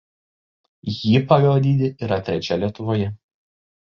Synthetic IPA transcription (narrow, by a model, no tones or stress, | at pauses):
jiːpɐʋʲɛd̪ʲiːd̪ʲɪʔiɾɐt̪ʲɾʲɛt͡ʃʲɛlʲiɛt̪ʊʋoːjɛ